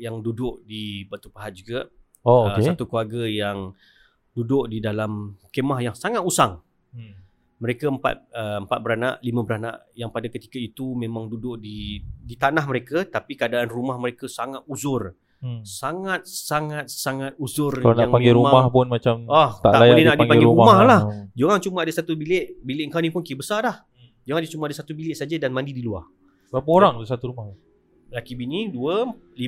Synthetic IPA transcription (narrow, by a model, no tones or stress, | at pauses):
jaŋdudʊʔ̚dibat̪upaɦat̪̚d͡ʒuɡa | ookesat̪ukluaɡəjaŋ | dudʊʔdidalamkemahjaŋsaŋat̪usaŋ | məɾekəəmpa̰t̪̚əəmpat̪̚bəɾanaʔlimə̃bəɾana̰ʔjaŋpadakət̪i̥kəit̪umẽmãŋdudʊʔdidit̪anaɦməɾekət̪apikəadaːnrumahməɾekəsaŋat̪̚uzʊr | saŋat̪̚saŋat̪̚saŋat̪̚uzʊralonaaŋpaŋɡiɾumamahpʊnmat͡ʃamaht̪a̰aʔlajalenadpaiɡpaɡiɾuɾumamahlahd͡ʒuaŋt͡ʃuməadəsat̪ubilɪʔbilɪʔŋkanĩpʊnkiəbəsalah | d͡ʒuaŋd͡ʒat͡ʃumãadəsat̪ubilɪʔsad͡ʒədanmãndidilua̰h | apoɾaŋsat̪uɾumah | lakibiniduəli